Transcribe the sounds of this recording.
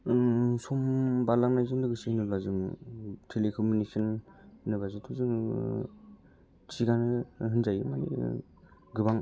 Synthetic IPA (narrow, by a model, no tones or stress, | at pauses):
sɔmbalaŋnajzɯŋdɯɡɯsinɯlazɯŋtʰelekʰomuniɯnnɯbazɯtʰuzɯŋ | sʰiɡanɯɦɯnzajɯmanḭ | ɡɯbaŋ